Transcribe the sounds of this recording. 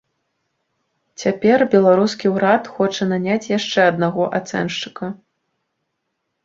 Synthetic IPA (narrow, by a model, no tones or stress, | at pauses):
t͡sʲapʲɛrbʲɛlˠaɾuskʲiwɾat̪xɔt͡ʂɐnanʲat͡sʲjaʂt͡ʂɛɐd̪̚naɣɔʔat̪sɛ̰nʂt͡ʂɨ̥kɐ